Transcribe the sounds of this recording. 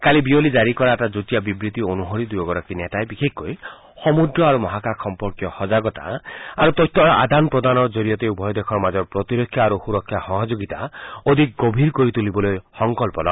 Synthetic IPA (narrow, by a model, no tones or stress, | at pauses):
kalibiolid͡ʒaɾikɔɾatad͡ʒut̪ijabibɾit̪ionuɦɔɾid̪ujɔɡɔɾakinet̪aebikʰekːoj | hɔmud̪ɾɔaɾumɔɦakakʰɔmpɔɾkjɔhɔd͡ʒaɡɔt̪a̰aɾut̪ɔjt̪ʰːɔaʔa̰d̪ʱanpɾɔd̪anɔd͡ʒoɾijɔt̪eubʱɔjɔd̪ekʰɔɾmad͡ʒɔɾpɾɔt̪iɾɔkʰːjaːɾuxuɾɔkʰːjahɔɦɔd͡ʒoɡit̪aod̪ʱik̚ɡɔbʱiɾkoɾit̪ulibɔlojhɔŋkɔlpɔlɔ